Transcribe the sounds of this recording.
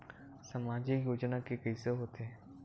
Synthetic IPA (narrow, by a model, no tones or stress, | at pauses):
sɐmaːd͡ʒijoːd͡ʒnakekəiseɦoːt̪eɛ